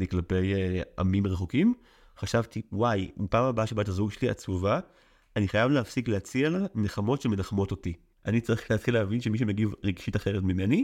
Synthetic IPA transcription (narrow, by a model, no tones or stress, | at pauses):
niklape̞ja̰mimʁeχokim | χaʃavtiwajmipaːmabaʃebatazuɡʃelia̰t͡suva | aniχajavleafsikleat͡sialaneχamo̞tʃemelaχmo̞toti | ʔanit͡saʁiχleatχileavinʃemiʃ̬emeɡivʁeɡʃitaχeʁetmimeni